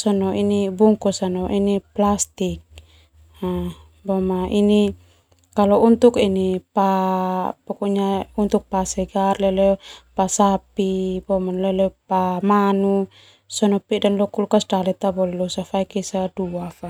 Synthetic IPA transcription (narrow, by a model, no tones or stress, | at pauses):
sɔnɔʔinibuŋkɔsanɔʔiniplast̪ik̚ | a | bɔmaʔini | kalɔunt̪ukinipa | pɔkɔɲaunt̪uk̚pasɛɡarlɛlɛpasapibɔmanlɛlɛpamanu | sɔnɔpidanlɔkulkasdalɛt̪abɔlɛlɔsafaikɛsaduafa